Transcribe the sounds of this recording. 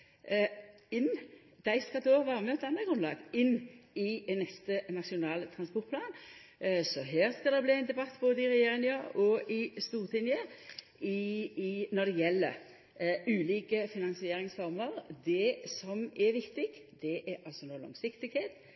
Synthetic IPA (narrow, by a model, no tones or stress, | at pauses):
ɪnː | d̪̥æɪskɑd̪oɑʋɑːʁəmɛɔt̪ɛnːəɡʁʉnlɑ̰ːɡɪnːɪnɛst̪ənɑʂɪʊnɑːlt̪ʰɾɑnspɔt̪pʰlɑːn | sɔɦæːʁskɑd̪ɛbliːæɪnd̪ɛbɑt̪ːboːd̪əɪɾɛjeːɾɪŋjəɔʔɪst̪uːʁt̪ʰɪnjə | ɪ | nɔd̪ɛjɛlːə̰ | ʉːliːkəfɪnɑnsɪeːɾɪŋsfɔɾməʁd̪ɛsɔmɛʋɪkt̪ɪɡ̥d̪̥ɛʔɛʔɑlsɔnoːlɔ̰ŋsɪkt̪ɪɡheːt̪